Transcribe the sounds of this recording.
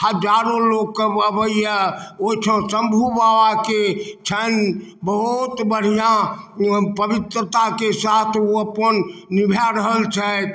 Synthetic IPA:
həd͡ʒaɾõlokːəəbəiəot͡ʃʰə̃sə̃mbʱubawaket͡ʃʰənbəɦut̪bəɽ̤ijã | pəbit̪ɾət̪akesat̪ʰoəpənnibʱjaɾəɦəlt͡ʃʰɛ

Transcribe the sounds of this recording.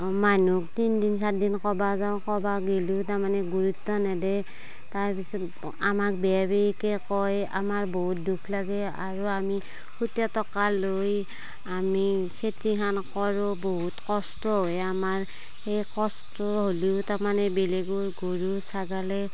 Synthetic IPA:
manuk̚tindinsatdinkɔbazaʊkɔbaɡilutaɹmanɛɡuɹutːɔnadɛ | taɹpisɔt | amak̚bɛabeɹikɛkɔja̰maɹboɦut̚dukʰlaɡɛ | a̰ɹuami | kʰutjatɔkaloj | amikʰetikʰankɔɹɔboɦutkɔstɔɦojamaɹ | xejkɔstɔɦoliʊtaɹmanɛbeleɡuɹɡoɹusaɡalɛ

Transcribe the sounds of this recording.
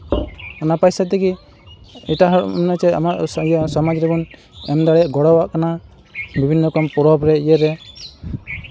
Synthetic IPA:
ɔnapajsat̪ɛki | ɛʈaɦɔ̰mnat͡ʃɛa̰maʔjasɔmad͡ʒɾɛbɔn | ɛmd̪aɽaʔɡɔɽɔwaʔkana | bibʱinːɔkɔmpɔɾɔbɾɛjɛɾɛ

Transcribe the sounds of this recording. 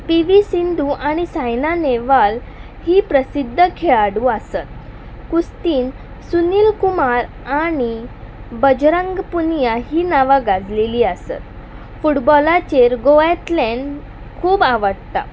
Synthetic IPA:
piʋisind̪uʔaɽ̃isajnaneʋal | hiːpɾəsid̪ʱːəkʰeɭaɽuːasət̪̚ | kust̪iːn | suniːlkumaɾ | ani | bəd͡ʑɾəŋɡpunjaɦiːnaʋaɡad͡zleliːasə̰t̪ | fuʈbɔlat͡ɕeɾɡoet̪lɛɳ | kʰuːbaʋəɽt̪a̰

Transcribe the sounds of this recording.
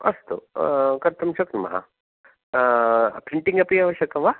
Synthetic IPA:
ɐ̰st̪ṵkɐɾt̪ɐmʃɐknɐmɐ̰ɦɐ̰ | pɾiɳʈiŋɡɐpiaʋɐɕjɐkɐmʋa

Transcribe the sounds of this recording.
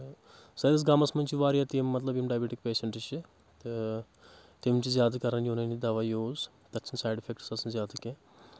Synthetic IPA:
sɐjd̪ɐs̬ɡaːmɐsmɐnʲt͡ʃiʋaːɾjat̪imːɐt̪lɐbjimɖaːjbʲeːʈikpeːʃɐɳʈit͡ʃi | t̪ɨ | t̪emmt͡ʃizjaːd̪ɐkɐɾɐnjuːnɐnid̪ɐʋaːjoːz | t̪ɐt͡ʃʰɐnsaːjɖifʰek̚ʈsɐsɐnzʲjaːd̪ɐkẽ

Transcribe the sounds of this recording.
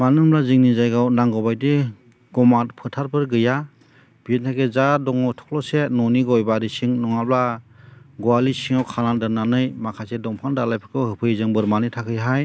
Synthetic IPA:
manɯmlaziŋnizajɡawnaŋɡɔbajde | ɡ̥ɔmatpʰɯtʰaɾbɯɾɡɯja | b̥intʰakezadɔŋɔwtʰɔ̥k̚lɔsenɔniɡɔɔjbaɾisiŋnɔŋap̚la | ɡɔalisiŋawkʰanandɯnanɯjmakʰasedɔŋpʰandalajpʰɯ̥kɯwhɯpʰɯjzɯŋbɯɾmanitʰakʰɯjɦaj

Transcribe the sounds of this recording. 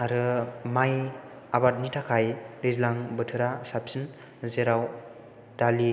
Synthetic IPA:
aɾɯmaj | abat̚nitʰakʰajɾɯzlaŋbɯtʰɯɾasapsin | zeɾaw | dali

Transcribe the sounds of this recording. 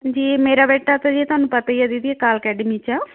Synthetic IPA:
d͡ʒiːmeːɾaːbɛːʈːaːt̪ad͡ʒit̪ʊaːnũːpət̪aːijad̪ɪd̪iːəkaːləkɛːɖəmiːt͡ʃaː

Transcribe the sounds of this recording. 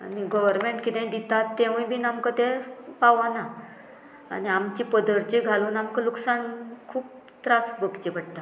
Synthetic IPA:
a̰niɡɔʋəɾmeɳʈkit̪ẽĩd̪it̪at̪ːẽʋũĩbʱinamkət̪epaʋana | a̰niamt͡ɕipəd̪əɾt͡ɕiɡʱaluːnamkəluksankʰuːp̚ | t̪ɾasbəɡt͡ɕibʱəɽt̪a

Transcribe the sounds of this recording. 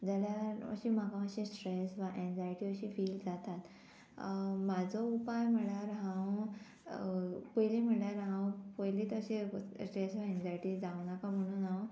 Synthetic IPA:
d͡zaljaə̰ɕiːm̤akãəɕĩsʈɾesʋaʔend͡zajʈiːəɕiːfiːld͡zat̪at̪ | mad͡zʱoupajm̤əɽaɾɦãw | pojlim̤əɳlaɾɦãwpəjlit̪əɕisʈɾesʋaend͡zajʈiːd͡zaʋwnakam̤əɽ̃uːna

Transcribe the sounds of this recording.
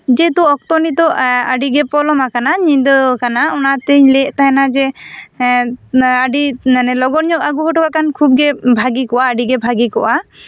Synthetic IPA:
d͡ʒɛt̪ɔːk̚t̪ɔnit̪ɔaɖiɡɛpɔlɔmakanaɲind̪ɔkanaɔnat̪ɛɲlɛʔˀt̪aɦɛnad͡ʒɛ | aɖianɛlɔɡɔɾɲɔkaɡuɦɔʈɔkakankʰub̚ɡɛbʱaɡikɔʔaaɖiɡɛbʱaɡikɔʔa

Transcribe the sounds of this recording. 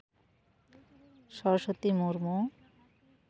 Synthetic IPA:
ʃɔɾoʃot̪imoɾmo

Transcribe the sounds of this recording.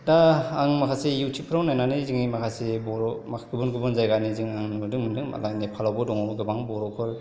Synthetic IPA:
daːŋmakʰasejuwtʰipʰɯɾawnajnaniziŋnimakʰasebɔɾɔmakʰaɡɯbɯnɡɯbɯnzajɡaniziŋaŋnudɯŋmɯdɯŋma̰lajnipʰalawbɔdɔŋabɡɯbaŋbɔɾɔkʰɯl

